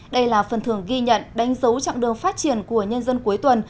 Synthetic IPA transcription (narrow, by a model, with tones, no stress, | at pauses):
ɗə˧jlaː˨˩fə˨˩nt̪ʰɨ˧˩əŋɣi˧ɲə̰˧˨nɗa˨˦jŋ̟zə˨˦wt͡ɕa̰˧˨ŋɗɨ˨˩əŋfaː˦˥t̚t͡ɕi˧˩ənku˧˩əɲə˧nzə˧nku˨˦əjt̪wə˨˩n